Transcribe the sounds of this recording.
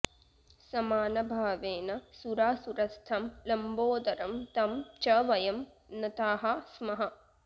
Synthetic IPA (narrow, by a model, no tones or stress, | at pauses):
sɐmaːnɐbʱaːʋeːnɐsuɾaːsuɾɐst̪ʰɐmlɐmboːd̪ɐɾɐmt̪ɐmt͡ʃɐʋɐjɐm | nɐt̪aːɦɐsmɐɦɐ